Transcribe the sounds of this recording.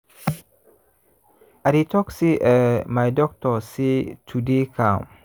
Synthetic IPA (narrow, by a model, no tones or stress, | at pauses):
ʔaɾit̪ɔksiʔəmajdɔk̚t̪ɔsit̪ʰudikʰam